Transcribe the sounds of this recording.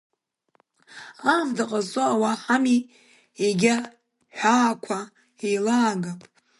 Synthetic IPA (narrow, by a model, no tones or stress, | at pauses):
avdaqʼazoawaħami | eɡʲa | ħʷᶣaːkʷʰa | ejlaːɡa